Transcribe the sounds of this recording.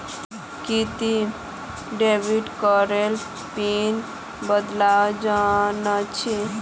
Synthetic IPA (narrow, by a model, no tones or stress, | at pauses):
kit̪i | ɖeʋiɖkɔɾel | pin | bəd̪lad͡ʒanat͡ʃʰi